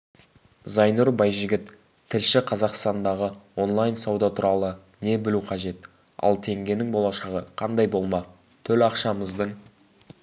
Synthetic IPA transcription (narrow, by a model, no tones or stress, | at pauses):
zɑjnuɾbɑjʒɪɡʲɪt̪ʰː | ɪlʃɪqʰɑzɑqst̪ɑnd̪ɑʁəwo̞nlˠɑjnsɑwd̪ɑt̪ʰʊɾɑlˠə | ne̞bɪluqʰɑʒe̞t̪ | ɑ̰lˠt̪ʰe̞ŋɡʲe̞nɪŋbo̞lˠɑʃɑʁəqʰɑnd̪ɑjbo̞lˠmɑ | t̪ʰɵlɑqʃɑməzd̪əɴ